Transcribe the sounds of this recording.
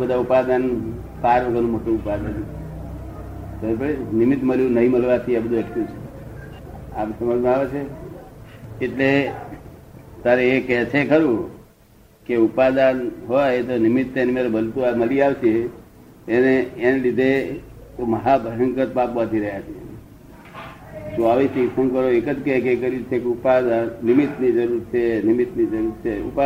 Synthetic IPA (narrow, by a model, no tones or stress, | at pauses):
bəd̪ʱaupad̪an | paɾʋəɡənũmoʈũupad̪an | t̪əpəɽenimit̪məljũnəɦĩməlʋat̪ʰiebəd̪ʱueʈʰjũt͡ʃʰe̥ | amsəməd͡ʒmãaʋet͡ʃʰe | ʈle | t̪aɾeːkɛt͡ʃʰekəɾũ | keupad̪anɦojt̪onɪmit̪ːenemeɾebəlt̪uaməliaʋt͡ʃʰeː | neːnelid̪ʱe | t̪oməɦabʱəɦəŋkət̪̚papʋəd̪ʱiɾəɦjat͡ʃʰiḛ | soaʋisiksəŋkəɾoekəd͡ʒkekekəɾjut͡ʃʰekeupad̪annɪmit̪nid͡ʒəɾuɾt͡ʃʰenɪmit̪nid͡ʒəɾuɾt͡ʃʰeṵpa